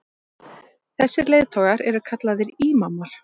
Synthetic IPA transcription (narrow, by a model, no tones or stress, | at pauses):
θɛsːɪɾleːjðt̪ʰɔːɣaɾɛɾʏkʰat̪laðɪɾiːmamːaɾ̥